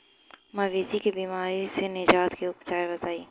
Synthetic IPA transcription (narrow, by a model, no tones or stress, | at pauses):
mɐʋeːzikebiːmaːɾisenɪd͡ʒaːt̪keʊpd͡ʒaːebɐt̪aːiː